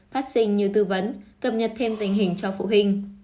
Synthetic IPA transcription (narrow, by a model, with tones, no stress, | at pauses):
faː˦˥t̚sï˧ŋ̟ɲi˨˧˨wt̪ɨ˧və˨˦nkə˨˩p̚ɲə˨˩t̚t̪ʰe˧mt̪ï˨˩ŋ̟ɦï˨˩ŋ̟t͡ɕɔ˧fṵ˧˨ɦï˧ŋ̟